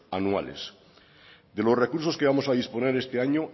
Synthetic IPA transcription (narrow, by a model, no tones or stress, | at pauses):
anua̰lḛs | ðelo̞sre̞kuɾso̞skeβamo̞sað̞ispo̞ne̞ɾest̪eaɲo